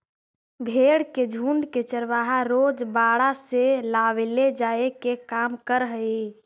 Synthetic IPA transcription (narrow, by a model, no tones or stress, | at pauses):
bʱeɽked͡ʒʱuɳɖket͡ʃəɾʋaɦaɾod͡ʒbaɽaselawled͡ʒaekekamkəɾɦəe